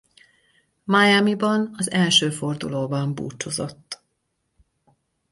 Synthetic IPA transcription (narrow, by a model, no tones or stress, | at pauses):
majamibɒnɒzɛlʃøːfo̞rd̪ṵloːbɒmbṵːt͡ʃozo̞̰t̪ː